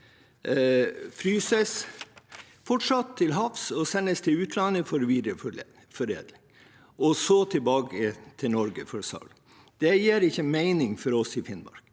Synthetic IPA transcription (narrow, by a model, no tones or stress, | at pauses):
fɾyːsəs | fɔʈʂɑt̪ʰːɪlɦɑfsɔsɛnːəst̪ʰɪʉːt̪ʰlɑnəfɔɾʋiːd̪ɾəf | fɔɾḛːd̪lɪŋ | ʔɔsɔt̪ʰɪlbɑːɡət̪ʰɪlnɔɾɡəfɔɾsɑ̰l | d̪̥ɛjeːɾɪçːəmæɪnɪŋfɔɾɔsɪfɪnmɑ̰ɾɡ̥